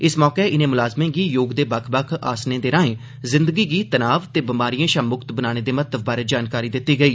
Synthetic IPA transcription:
ɪsmɔːkeːʔɪnẽːmʊlaːzmẽːɡiːjoːɡd̪eːbəkʰbəkʰa̰ːsnẽːd̪eːɾãːẽː | zɪ̃nd̪əɡiːɡiːt̪ənaːʋt̪eːbɪmaːɾijãːʃãːmʊkt̪bənaːɽ̃eːd̪eːmət̪ːəbbaːɾeːd͡ʒaːnkaːɾiːd̪ɪt̪ːiːɡəiː

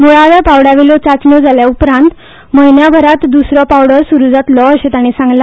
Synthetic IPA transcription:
muɭaʋjapawɽaʋelɔt͡sat͡snɔd͡zaljaupɾãnt̪ | məjnjabʱəɾat̪d̪usɾɔpawɽəɾsuɾud͡zat̪lɔəɕet̪aɽ̃isãŋɡla

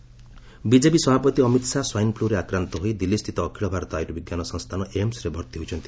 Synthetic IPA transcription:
bid͡ʒepisɔbʱapɔt̪iɔmit̪saswajnpluɾeakɾant̪ɔɦojd̪ilːist̪ʰit̪ɔːkʰiɭɔbʱaɾɔt̪ɔajɾubiɡjanɔsɔŋst̪ʰanɔʔemsɾebʱɔɾt̪iɦojt͡ʃʰɔnt̪i

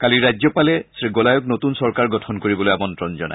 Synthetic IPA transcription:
kaliɹajzɔpalɛsɹiɡɔlajɔknotunsɔɹkaɹɡɔtʰɔnkoɹibɔlojamɔntɹɔnzɔ̰na̰j

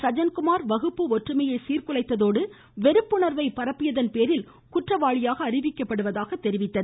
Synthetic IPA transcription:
sɐd͡ʒɐnkʊmaːɾʋɐɣɯpːɯɔʈrɯmɐjeːsiːrkɯlɐɪt̪ːɐðoːɽɯ | ʋɛɾɯpːʊɳɐɾʋɐɪpɐɾɐpːɪjɐðɐnpeːɾɪl | kʊʈrɐʋaːɻɪjaːɣɐːrɪʋɪkːɐpːɐɽɯʋɐðaːɣɐt̪ːɛɾɪʋɪt̪ːɐð

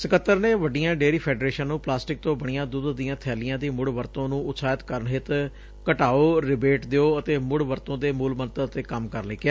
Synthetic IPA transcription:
səkət̪ːəɾneːʋəɖːijãːɖeːɾiːpʰɛːɖɾeːʃə̃nnũːplaːsʈɪk̚t̪õːbəɳ̃ɪjãːd̪ʊd̪d̪ijãːt̪ʰɛːlɪjãːd̪iːmʊɽʋəɾt̪õːnũːʊt̪saːjət̪kəɾəɳɦɪt̪ | kəʈaːoːɾɪbeːʈd̪eoːət̪eːmʊɽʋəɾt̪õːd̪eːmuːlmənt̪ət̪eːkəmkəɾleːkɪjaː

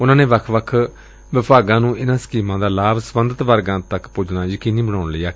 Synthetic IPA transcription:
ʊnãːneːʋəkʰʋəkʰ | ʋɪpʰaːɡãːnũːʔɪnãːsə̥kiːmãːd̪aːlaːbsʋənd̪ət̪ʋəɾɡãːt̪əkpʊd͡ʒnaːd͡ʒəkiːniːbəɽ̃aːʊnləːaː

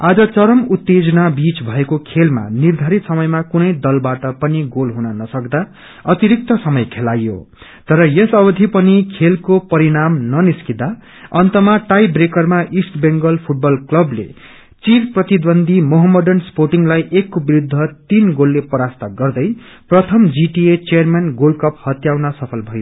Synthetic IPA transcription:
ad͡zʌt͡sʌɾʌmut̪ːed͡zʌnabit͡sbʱʌekokʰelma̰nird̪ʱʌɾit̪sʌmʌjmakunʌjd̪ʌlbaʈʌpʌniɡolɦunʌnʌsʌkd̪a | ʌt̪iɾik̚t̪ʌsʌmʌjkʰelajjo̰ | t̪ʌɾʌjʌsʌbʌd̪ʱipʌnikʰelkopʌɾiɽ̃amnʌniskid̪a | ʌnt̪ʌmaʈajbrekʌrmaʔisʈbeŋɡʌlpʰuʈ̚bʌlklʌblḛ | t͡sirprʌt̪id̪ʌnd̪ʱimoɦʌmːʌɖʌnsporʈiŋlajʔekːobiɾud̪ʱːʌt̪inɡolːepʌɾast̪aɡʌrd̪ʌjprʌt̪ʰʌmd͡ziʈiet͡sejʌrmanɡolkʌphʌt̪jawnʌsʌpʰʌlbʱʌjo

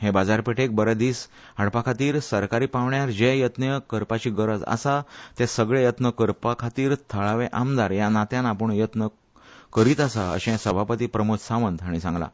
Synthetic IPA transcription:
ɦebad͡zaɾpeʈʰek̚bəɾəd̪iːs | ɦaɽpakʰat̪iːɾsəɾkaɾiːpaʋɳjaɾd͡ʑejət̪njəkəɾpat͡ɕiːɡəɾəd͡za̰sat̪ɛsəɡɭejət̪nəkəɾpakʰat̪iːɾt̪ʰəɭaʋeʔamd̪aɾjanat̪jãnapəɳjət̪nə | kəɾiːt̪asaə̰ɕẽsəbʱapət̪iːpɾəmot̪sãʋənd̪aɽ̃isãŋɡla̰

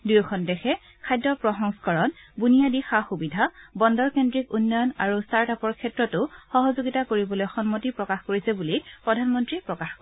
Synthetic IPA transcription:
dujkʰɔndɛxɛ | kʰajdːɔpɹɔxɔŋskɔɹɔnbunijadixaxubidʱabɔndɔɹkendɹikunːɔjɔnaɹustaɹtapɔɹkʰɛtɹɔtʊxɔɦɔzoɡitakoɹibɔlojxɔnmɔtipɹɔkaxkoɹisɛbulipɹɔdʱanmɔntɹipɹɔkaxkɔ

